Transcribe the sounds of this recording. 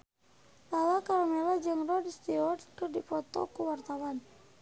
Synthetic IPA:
lawakaɾɔmelad͡ʒɨŋrɔdist̪iɔrkərdipɔt̪ɔ̰kuwart̪awan

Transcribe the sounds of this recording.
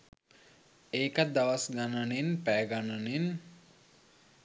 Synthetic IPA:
eːkat̪̚d̪aʋasɡananenpæːɡananen

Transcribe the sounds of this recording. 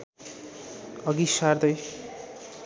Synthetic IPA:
ʌɡisard̪ʌj

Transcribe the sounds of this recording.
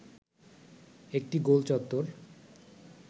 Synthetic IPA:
ek̚ʈiɡolt͡ɕɔt̪ːoɾ

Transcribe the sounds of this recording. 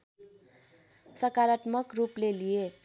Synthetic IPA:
sʌkaɾat̪mʌkruplelije

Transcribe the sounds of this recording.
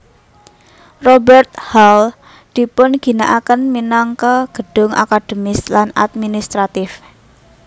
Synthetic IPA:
robɛrt̪̚hal | d̪̥i̤pʊnɡ̥i̤naʔakənminaŋkəɡ̥ə̤ɖ̥ʊ̤ŋʔa̰kad̥ə̤mɪslana̰t̪̚minist̪ɾat̪ɪf

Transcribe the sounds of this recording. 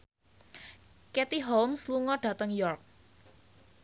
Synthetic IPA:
kɛt̪iɦolmsluŋɔɖ̥ä̤t̪əŋjɔrk̚

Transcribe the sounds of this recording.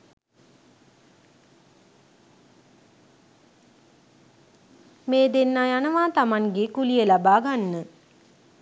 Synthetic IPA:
meːd̪enːajanəʋaːt̪amaŋɡekulijəlabaːɡanːə

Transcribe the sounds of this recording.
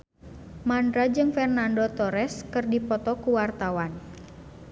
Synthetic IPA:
mandɾad͡ʒɨŋfɛrnandɔt̪ɔɾɛskɨrdipɔt̪ɔkuwart̪awan

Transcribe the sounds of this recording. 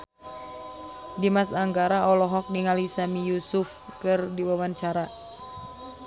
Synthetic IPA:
dimasaŋɡaɾaɔlɔɦɔk̚niŋalisamijusʊfkɨrdiwawaɲt͡ʃaɾa

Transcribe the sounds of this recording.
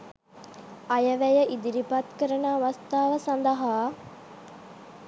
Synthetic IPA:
ɐjəʋæjəʔid̪iɾipɐt̪kəɾənaːʋast̪aːʋəsand̪əɦaː

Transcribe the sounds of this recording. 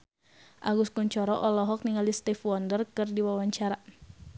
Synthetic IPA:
ʔaɡuskuɲt͡ʃɔɾɔʔɔlɔɦɔk̚niŋalist̪ifwɔndərkɨrdiwawaɲt͡ʃaɾa

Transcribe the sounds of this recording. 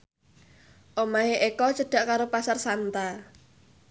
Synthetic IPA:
ʔomaeʔekɔt͡ʃəɖ̥a̤ʔkaɾopasarsant̪a

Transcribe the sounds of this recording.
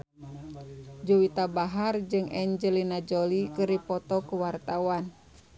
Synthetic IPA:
d͡ʒuwit̪abaɦard͡ʒɨŋɛɲd͡ʒəlinad͡ʒɔlikɨɾipɔt̪ɔkuwart̪awan

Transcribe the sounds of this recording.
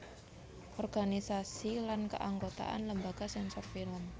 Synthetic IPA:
ʔɔrɡanisasilankə̰ʔaŋɡot̪a̰ʔa̰nləmbaɡ̥asɛnsɔrfiləm

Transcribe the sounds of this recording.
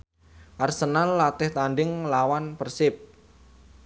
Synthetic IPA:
ʔarsənanlat̪ɪht̪anɖɪŋlawanpərsɪp̚

